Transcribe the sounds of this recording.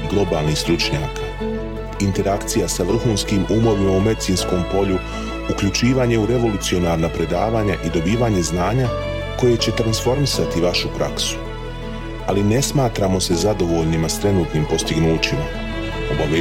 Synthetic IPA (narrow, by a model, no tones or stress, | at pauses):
ɡlˠo̞baːlˠnist̪ɾut͡ʃɲaːkḁ | int̪e̞ɾakt̪sijasaʋr̩xuːnskimumo̞ʋimaume̞d̪it̪sinsko̞mpo̞ʎu | ukʎut͡ʃiːʋaːɲe̞uɾe̞ʋo̞lut̪sio̞naːɾnapɾe̞d̪a̰ːʋaːɲaʔid̪o̞biːʋaːɲe̞znaːɲa | ko̞je̞t͡ɕe̞t̪ɾansfo̞ɾmisat̪iʋaʃupɾʔaksu̥ | aline̞smaːt̪ɾamo̞se̞zad̪o̞ʋo̞ʎnimast̪ɾe̞nuːt̪nimpo̞st̪iɡnuːt͡ɕima | o̞baʋeː